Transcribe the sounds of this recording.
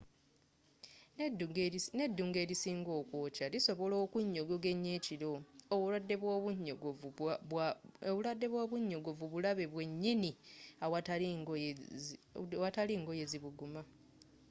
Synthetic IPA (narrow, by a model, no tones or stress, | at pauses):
ne̞dːuːŋɡe̞ːɾisiːŋɡo̞ːkwoːcaliso̞βo̞lo̞ːkuɲːo̞ɡo̞ɡe̞ɲːe̞ːciɾo̞ːβuadːeβwouɲɡ | βuladːe̞βwaβuɲːo̞ɡo̞vuβulaβe̞βwe̞ɲːiniawa | wataliːŋɡo̞je̞ziβuɡuma